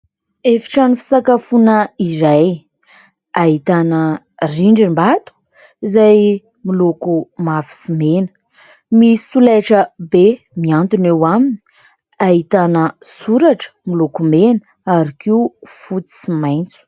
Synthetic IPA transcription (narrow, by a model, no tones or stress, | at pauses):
efi̥ʈ͡ʂanufi̥sakafunəiɾaj | aɦit̪anə | riɳɖ͡ʐimbat̪u̥ | izaj | milokumafi̥simenə̥ | misi̥sulajʈ͡ʂəbe | miant̪unewamini̥ | aɦit̪anəsuɾaʈ͡ʂə̥milokumenə | aɾikiufut͡si̥simajnt͡su̥